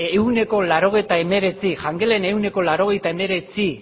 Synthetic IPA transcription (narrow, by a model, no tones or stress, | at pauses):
ewne̞ko̞laɾo̞ɣ̞e̞jt̪ae̞me̞ɾe̞t͡siʝaŋɡele̞ne̞uwne̞ko̞laɾo̞ɣ̞e̞jt̪ae̞me̞ɾe̞t͡si